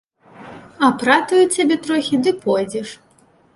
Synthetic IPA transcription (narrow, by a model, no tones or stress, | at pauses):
ɐpɾat̪ujut͡sʲabʲɛt̪ɾɔxʲid̪ɨpɔjd͡zʲɛʂ